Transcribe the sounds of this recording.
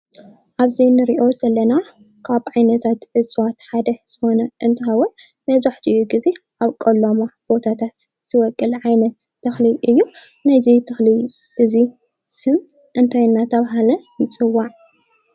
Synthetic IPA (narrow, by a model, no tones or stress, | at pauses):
ʔaβzinɨɾiʔo̞zɐlːɐna | kʰaβʕajnɐt̪ʰat̪ʔɨt͡sʼwat̪ħad̪ɐz̥ɨxo̞nɐʔɨnt̪ʰɨhawɔt̪ | mɐzaħt̪ʰiɨjːuɡize̞ʔaβkʼɐlːomab̥o̞t̪ʰat̪ʰat̪ | z̥ɨwɔkʼːɨlʕajnɐt̪ːʰɐxliʔɨjːu | najzit̪ʰɐxli | ʔɨzi | sɨm | ʔɨnt̪ʰajnːat̪ʰɐβɦalɐjɪt͡sʼɨwːaʕ